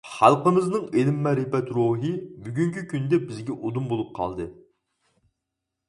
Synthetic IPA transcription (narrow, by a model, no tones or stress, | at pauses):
χɑ̰lˠqəmɨznɨŋelɪmːɛɾɪpɛt̪ɾoɦɨbyɡʲyŋkʲykʲʰynd̪ɛbɪzɡʲɛʔod̪umbolˠup̚qʰɑ̰lˠd̪ɨ